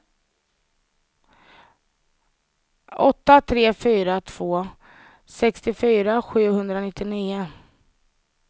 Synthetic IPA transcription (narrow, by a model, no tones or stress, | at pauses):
ʔɔt̪ːat̪ʰɾeːfyːɾat̪ʰv̥oː | sɛkst̪ɪfyːɾaɧʉ̟ːhɵnd̪ɾanɪt̪ːɪniːə